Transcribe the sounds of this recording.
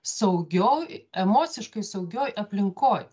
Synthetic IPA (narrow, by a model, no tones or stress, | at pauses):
sɐʊɡʲoːjɛmoːsʲɪʃkɐɪsɐʊɡʲoːjʔɐpʲlʲɪŋkoːj